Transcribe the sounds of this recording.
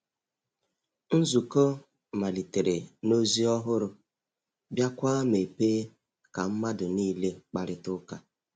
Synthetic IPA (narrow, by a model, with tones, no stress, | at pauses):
n̩˦zu˨ko˦ | ma˨li˨te˨ɾe˨no˦zi˦ɔ˦ɦʊ˦ɾʊ˦ | bja˦kʷa˦me˨peː˦ | ka˨m̩˦ma˦dʊ˨niː˦le˦k͡pa˨ɾɪ˦tʊ˦ka˦